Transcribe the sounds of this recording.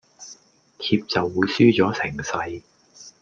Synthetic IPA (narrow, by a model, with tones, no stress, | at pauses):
t̪ʰiː˧p̚t͡sɐ˨wːuː˨˧jsyː˥t͡sɔː˨˥sʰɪ˨˩ŋsɐ˧j